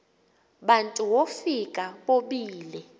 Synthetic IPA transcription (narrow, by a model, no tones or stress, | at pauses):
ɓantʼuwofikʼaɓoɓiːlɛ